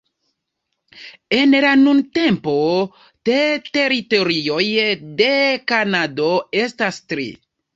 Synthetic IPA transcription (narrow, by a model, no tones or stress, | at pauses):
e̞nlanunte̞mpo̞ | tete̞ɾito̞ɾio̞jde̞kanadoestastɾḭ